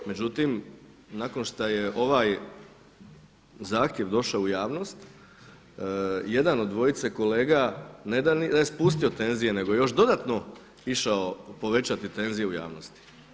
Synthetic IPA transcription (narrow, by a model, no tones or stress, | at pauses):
me̞d͡ʑut̪imnako̞nʃt̪ajeʔo̞ʋaj | zaːxt̪jeʋd̪o̞ʃaoujaːʋno̞st̪ | je̞d̪anod̪d̪ʋo̞jit̪seko̞le̞ːɡaned̪anid̪ajespust̪io̞t̪e̞nzije̞ne̞ɡojejo̞ʃd̪o̞d̪at̪no̞ | iʃaopo̞ʋe̞t͡ɕat̪it̪e̞nzije̞uja̰ːʋnost̪i̥